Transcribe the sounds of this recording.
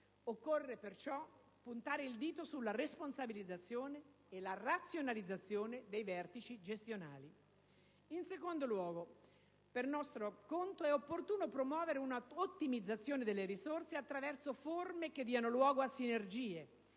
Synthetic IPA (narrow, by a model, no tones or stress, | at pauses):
okːorːepert͡ʃɔ | pːunt̪aːɾeild̪iːt̪osulːaresponsabilid̪zat̪sːjoːneː | larat̪sːjonalid̪zːat̪sːjoːned̪ejvɛrt̪it͡ʃid͡ʒest̪jona̰ːli | insekond̪olwɔːɡo | pernɔst̪ɾokont̪oɛopːort̪uːnopɾomwɔːveɾeunaot̪ːimid̪zːat̪sːjoːned̪elːeɾisorseat̪ːɾavɛrsoformek̟ed̪ːiːanolwɔːɡoasːinerd͡ʒiːe